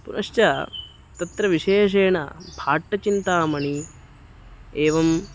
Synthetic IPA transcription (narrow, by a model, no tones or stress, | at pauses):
pṵnɐʃt͡ʃɐ | t̪ɐt̪ɾɐʋiʂeːʂeːɳɐ̰bʱaːʈːɐt͡ʃint̪aːmɐɳi | eːʋɐm